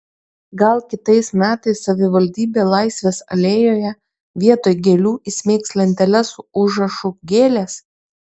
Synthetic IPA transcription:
ɡɐlˠkʲɪt̪ɐɪsmʲæːt̪ɐɪsːɐʋʲɪʋɐlʲd̪ʲiːbʲeːlˠɑɪsʲʋʲeːsɐ̰lʲeːjoːjɛ | ʋʲiɛt̪oːjɡʲelʲuːisʲmʲeːksʲlʲɛɪnʲt̪ʲɛlʲɛsuʊʒɾɐʃuɡʲeːlʲeːs

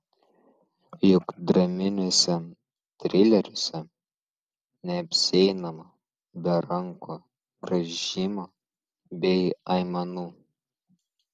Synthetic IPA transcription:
jʊkd̪ɾɐmʲɪnʲɔsʲɛ | t̪ʲɾʲɪlʲɛɾʲʊsʲɛ | nʲɛɐpʲsʲɛɪnɐmɐ | bʲɛɾɐŋko | ɡ̥ɾɐʒʲiːmo | bʲɛɪɐɪmɐnuː

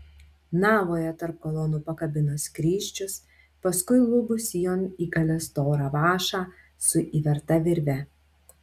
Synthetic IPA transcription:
nɑːʋoːjɛt̪ɐɾp̚koːlˠɔnuːpɐkɐbʲɪnoskɾʲiːʃʲt͡ʃʲʊs | pɐskʊɪlˠʊbʊsʲjoniːɡɐlʲɛst̪oːɾɑːʋɑːʃɑː | sʊʔiːʋʲɛɾt̪ɐʋʲɪɾʲʋʲɛ

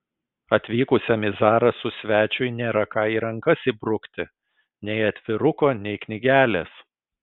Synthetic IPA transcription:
ɐt̪ʲʋʲiːkʊsʲɛmʲɪzɑːɾɐsʊsʲʋʲæːt͡ʃʲʊɪnʲeːɾɐkɑːiːɾɐŋkɐsibɾʊkt̪ʲɪ | nʲɛɪɐt̪ʲʋʲɪɾʊkoːnʲɛɪknʲɪɡʲæːlʲeːs

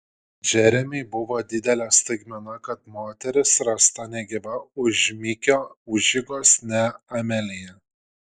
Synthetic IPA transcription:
ʒʲɛɾʲɛmʲɪɪbʊʋoːd̪ʲɪd̪ʲɛlʲɛst̪ɐɪɡmʲɛnɐkɐt̪moːt̪ʲɛɾʲɪsɾɐst̪ɐnʲɛɡʲɪʋɐʊʒʲmʲiːkʲoːʊʒʲɪɡoːsnʲɛɐmʲɛlʲɪjɛ

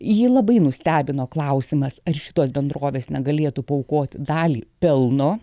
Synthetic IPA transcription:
jiːlˠɐbɐɪnʊsʲt̪ʲæːbʲɪnoːklˠɐʊsʲɪmɐsɐrʃʲɪ̥t̪oːsbʲɛnd̪ɾoːʋʲeːsnʲɛɡɐlʲeːt̪upɐʊkoːt̪ʲd̪ɑːlʲiːpʲɛlˠnoː

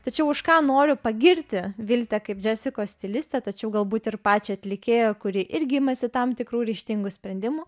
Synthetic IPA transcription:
t̪ɐt͡ʃʲɛʊʊʃkɑːnoːɾʲʊpɐɡʲɪɾʲt̪ʲɪʋʲɪlʲt̪ʲɛkɐɪpd͡ʒʲæːsʲɪkoːssʲt̪ʲɪlʲɪsʲt̪ʲɛt̪ɐt͡ʃʲɛʊɡɐlˠbuːt̪ɪrpɑːt͡ʃʲɪɐt̪ʲlʲɪkʲeːjoːkʊɾʲɪʔɪɾʲɡʲɪɪmɐsʲɪt̪ɐmt̪ʲɪkɾuːɾʲɛɪʃʲt̪ʲɪŋɡʊsʲpʲɾʲɛnʲd̪ʲɪmʊ

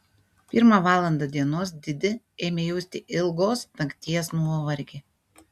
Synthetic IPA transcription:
pʲɪɾmɑʋɑːlˠɐnd̪ɐd̪ʲiɛnoːsd̪ʲɪd̪ʲɪ | eːmʲeːjɛʊsʲt̪ʲɪʔɪlˠɡoːst̪ɐkʲt̪ʲiɛsnuɔʋɐɾʲɡʲe

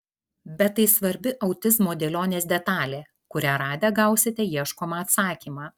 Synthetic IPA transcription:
bʲɛt̪ːɐɪsʋɐɾʲbʲɪʔɐʊt̪ʲɪzmoːd̪ʲeːlʲoːnʲeːsd̪ʲɛt̪ɑːlʲeː | kʊɾʲæːɾɑːd̪ʲɛːɡɐˑʊsʲɪt̪ʲɛjiɛʃkoːmɑɐt̪sɑːkʲiːmɑː

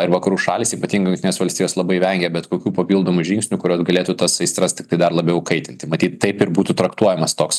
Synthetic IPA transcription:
ɪɾʋɐkɐɾuːʃɑːlʲiːsiːpɐt̪ʲiːŋɡɪjʊŋʲkt̪ʲɪnʲesʋɐlʲsʲt̪ʲijoːslˠɐbɐɪʋʲɛŋʲɡʲɛbʲɛt̪koːkʲuːpɐpʲiːlˠd̪oːmʊʒʲiŋksʲnʲʊkʊɾʲoːsɡɐlʲeːt̪ut̪ɐsɐɪst̪ɾɐstʲɪkt̪ɐɪd̪ɐrlˠɐbʲɛʊkɐɪt̪ʲɪnʲt̪ʲɪmɐt̪ʲiːt̪t̪ɐɪpɪɾbuːt̪ut̪ɾɐkt̪uɔjɛmɐst̪oːks

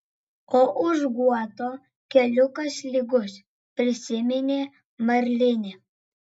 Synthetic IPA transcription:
oːʔʊʒɡuɔt̪oː | kʲɛlʲʊkɐsʲlʲiɡʊsʲ | pʲɾʲɪsʲɪmʲɛnʲeː | mɐɾʲlʲɪnʲe

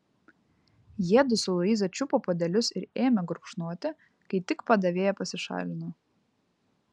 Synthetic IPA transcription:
jiɛd̪ʊsʊlˠʊiːzɐt͡ʃʲʊpoːpod̪ʲɛlʲʊsɪɾeːmʲɛɡɾʊkʃnuɔt̪ʲɪ | kɐɪt̪ʲɪkpɐd̪ɐʋʲeːjɛpɐsʲɪʃɑ̰ːlʲɪno

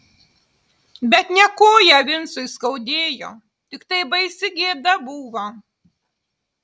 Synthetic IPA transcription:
bʲɛt̪nʲɛkoːjɛʋʲɪnsʊɪskɐʊd̪ʲeːjo̰ː | t̪ʲɪkt̪ɐɪbɐɪsʲɪɡʲeːd̪ɐbuːʋɐ

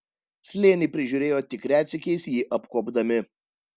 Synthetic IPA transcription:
sʲlʲeːnʲɪpʲɾʲɪʒʲuːɾʲeːjoːt̪ʲɪkɾʲæːt̪sʲɪkʲɛɪsjiːʔɐpkoːbd̪ɐmʲɪ

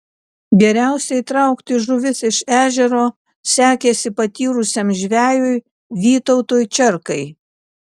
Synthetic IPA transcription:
ɡʲɛɾʲæˑʊsʲɛɪt̪ɾɐʊkt̪ʲɪʒʊʋʲɪsɪʃæːʒʲɛɾoː | sʲæːkʲeːsʲɪpɐt̪ʲiːɾʊsʲemʒʲʋʲæːjʊɪ | ʋʲiːt̪ɔʊt̪oːjt͡ʃʲɛɾkɐɪ

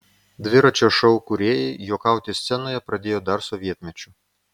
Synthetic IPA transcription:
d̪ʋɪɾɐt͡ʃɛʃɔwkʊɾʲɛjijɔkɑwt̪ʲist̪sʲɛnɔjɐpɾɐd̪ʲejɔd̪ɑrsɔʋʲjɛt̪mʲɛt͡ʃʲʊ

